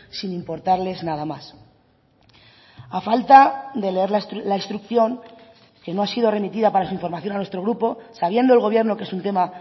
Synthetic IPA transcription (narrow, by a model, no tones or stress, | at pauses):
sinĩmpo̞ɾt̪aɾle̞znaðamas | afalt̪ad̪e̞le̞eɾlaslaist̪ɾukθjo̞ŋ | ke̞no̞asiðo̞re̞mit̪iðapaɾasuiɱfo̞ɾmaθjonanwet̪ɾo̞ɣɾupo̞saβ̞je̞nd̪oe̞lɣo̞β̞je̞ɾno̞ke̞sunt̪e̞ma